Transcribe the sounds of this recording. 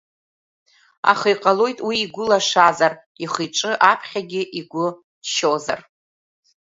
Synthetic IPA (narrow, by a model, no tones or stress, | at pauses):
a̰χəjqʼalo̞jtʼwiːɡʷʊlaʂazar | iχɨjʈ͡ʂʼɨʔapʰχʲaɡʲɪʔiɡʷʊ | dʃoza̰r